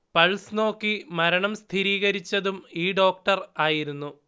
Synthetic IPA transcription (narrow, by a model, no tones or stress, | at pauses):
pɐɭsno̞ːkːimɐɾɐɳɐmst̪ʰiɾiːɣɐɾit͡ɕːɐðumiːɖo̞ːk̚ʈɐraːjiɾunːu